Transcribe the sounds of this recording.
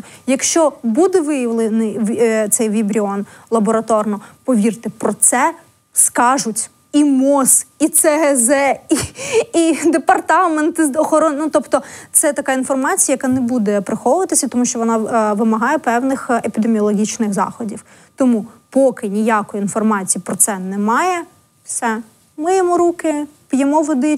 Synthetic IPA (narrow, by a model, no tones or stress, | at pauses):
jɐkʃt͡ʃɔbud̪ɛʋɪjɐʋlˠɪnɪjʋt̪sɛjʋʲibɾʲiɔnlˠɐbɔɾɐt̪ɔrnɔpɔʋʲirt̪ɪpɾɔt̪sɛ | skɑʒʊtʲ | imɔsit̪sɛɦɛzɛiid̪epɐrt̪ɑment̪ɔxɔɾɔnnut̪ɔpt̪ɔt̪sɛt̪ɐkɑinfɔrmɑt͡sʲijɐjɐkɑnɛbud̪ɛpɾɪxɔʋʊʋɐt̪ɪsʲɐit̪ɔmuʃt͡ʃɔʋɔnɑʋɪmɐɦɑjɛpɛwnɪxepʲid̪emʲiɔlˠɔɦʲit͡ʃnɪɣzɑ̰xɔdʲiw | t̪ɔmupɔkɪnʲijakɔjiinfɔrmɑt͡sʲijipɾɔt̪sɛnɛmɑjɛ | fsɛ | mɪjɛmɔɾukɪpʲjɛmɔʋɔd̪ɪ